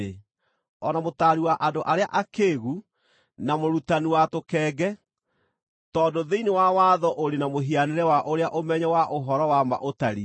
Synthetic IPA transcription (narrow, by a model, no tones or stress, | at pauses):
e | ɔnamotaːɾiwaʔandoʔaɾeaʔakeɣu | namoɾutaniwatokɛːɡɛ | tɔːdoðeinewawaːðɔʔoɾenamoɦianeɾɛwaʔoɾeaʔomɛɲɛwaʔoɦɔɾɔwama̰ʔotaɾi